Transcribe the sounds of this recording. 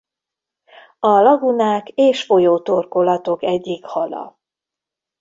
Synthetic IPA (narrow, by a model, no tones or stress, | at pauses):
ɒlɒɡunaːkeːʃfo̞joːt̪o̞rko̞lɒt̪o̞kɛɟːikhɒlɒ̰